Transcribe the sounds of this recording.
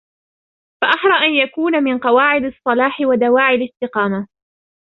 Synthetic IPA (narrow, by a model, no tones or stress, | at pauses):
faʔɑħɾˤɑʔanjakuːnamɪnqɑwaːʕɪd̪ɑsˤːɑlɑːħɪwad̪awaːʕɪlɪst̪ɪqɑːma